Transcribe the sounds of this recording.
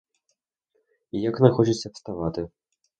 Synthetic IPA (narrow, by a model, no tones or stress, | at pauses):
ijaknaxɔt͡ʃit͡sʲɐpst̪avat̪ɨ